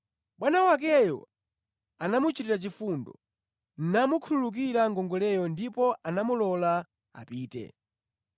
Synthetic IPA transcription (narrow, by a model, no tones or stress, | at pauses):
ɓwanawak̬ɛjɔ̰ | anamut͡ʃiɾiɾat͡ʃifundɔ̰ | n̩namukʰululuk̬iɾaŋɡɔŋɡɔlɛjɔndipɔʔanamulɔla | a̰piːtɛ̰